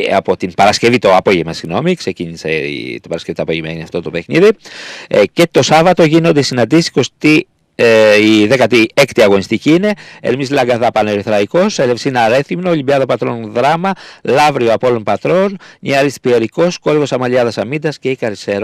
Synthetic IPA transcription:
ɐ̰po̞t̪impɐɾɐsce̞vit̪o̞ɐpo̞ʝemɐsiɣno̞miksecinise̞̰t̪ibɐɾɐsce̞vit̪oɐpoʝemɐ̰iniɐft̪o̞t̪o̞pe̞xniði | ce̞t̪o̞sɐvɐt̪o̞ʝino̞nd̪esinɐnd̪isisi̥kost̪i | iðekɐt̪iekt̪iɐɣo̞nist̪iciine̞ḛlmislɐŋɡɐðɐpɐne̞ɾiθɾɐiko̞selefsinɐɾe̞θimnoolibiɐðɐpɐt̪ɾo̞nðɾɐmɐlɐvɾioɐpolo̞npɐt̪ɾo̞nɲiɐɾist̪pieɾiko̞sko̞ɾɣo̞sɐmɐʎɐðɐsɐmind̪ɐsce̞ikɐɾiseɾ

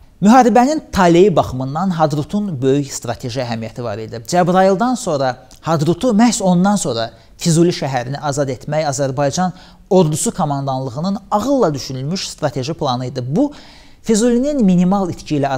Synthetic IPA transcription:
myɦɑːɾibænint̪ʰɑlejibɑχɯmɯnːɑnɦɑd̪ɾut̪ʰunbø̞jyçst̪ɾɑt̪ʰe̞ʒiæɦæmijæt̪ʰivɑ̰ɾḭd̪id͡ʒæbɾɑilˠd̪ɑnso̞nɾɑ | hɑd̪ɾut̪ʰumæhso̞nːɑnso̞ɾɑ | fizuliʃæɦæɾiniʔɑzɑd̪e̞t̪ʰmæjɑzæɾbɑjd͡ʒɑn | o̞ɾd̪usukʰomɑnd̪ɑnlˠɯɣɯnɯnɑɣɯlˠːɑd̪yʃynylmyʃst̪ɾɑt̪ʰe̞ʒipʰlˠɑnɯjd̪ɯbu | fizulininminimɑlˠit̪cʰilæ

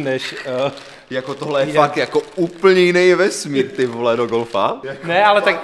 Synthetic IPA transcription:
nɛʃ | jakot̪oɦlɛjɛfak̚t̪jakouːpl̩ɲɛjɪnɛjvɛsmiːɾt̪ɪvolɛdoɡolfanɛalɛt̪ak

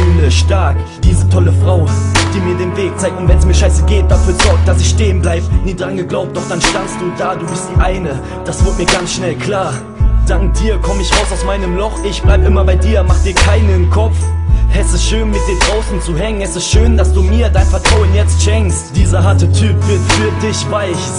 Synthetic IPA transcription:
nəʃtaɐk | d̥iːzətʰɔləfʁ̥aʊd̥iːmiːɐdeːnveːk̚t͡saɪk̚tʊntvɛnɛsmiːɐʃaɪsəɡeːt̚d̥afyːɐzɔɐk̚t̚d̥asɪçʃteːənblaɪbəniːdʁanɡəɡlaʊp̚td̥ɔχd̥anʃtanst̚d̥uːdaːduːbɪstʔaɪnə | d̥asv̥ɪɐt̚miːɐɡant͡sʃnɛlkʰl̥aːɐ | d̥aŋk̚d̥iːɐkʰɔməɪçʁaʊsaʊsmaɪnəmlɔχʔɪçb̥laɪbəʔɪmɐbaɪdiːɐmaχd̥iːɐkʰaɪnəɪnkʰɔp͡fɛstɛstʃøːnmɪt̚d̥eːndʁaʊsn̩t͡suɦɛŋənɛsɛstʃøːnd̥asd̥uːmiːɐdaɪnfɛɐtʁ̥aʊənjɛt͡stʃɛŋkstd̥iːzɐɦaɐtətʰyːpv̥ɪɐtfyːɐdɪçvaɪç

